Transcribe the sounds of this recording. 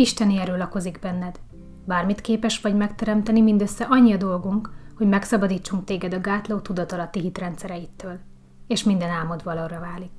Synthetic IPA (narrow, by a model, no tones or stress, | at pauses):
iʃt̪ɛniɛɾøːlɒko̞ziɡbɛnːɛd̪ | baːrmit̪keːpɛʃʋɒɟmɛkt̪ɛɾɛmt̪ɛnimind̪ø̞sːɛʔɒɲːiɒd̪o̞lɡuŋkho̞ɟmɛksɒbɒd̪iːt͡ʃːuŋk̚t̪eːɡɛd̪ɒɡaːt̪loːt̪ud̪ɒt̪ɒlɒt̪ːiɦit̪rɛnt̪sɛɾɛjit̪ːøːl | eːʃmind̪ɛnaːmod̪ʋɒlorɒvaːlik